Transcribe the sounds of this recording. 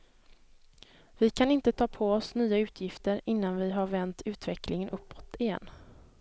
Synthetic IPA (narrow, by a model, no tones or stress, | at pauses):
vɪkʰanɪnt̪ət̪ʰɑːpʰɔɔsnyːaʉ̟ːt̪ʰjɪft̪əɾɪnːanvɪɦaɾvɛnt̪ʰʉ̟ːt̪vɛkʰlɪŋənʔɵpːɔt̪ɪjɛ̰nː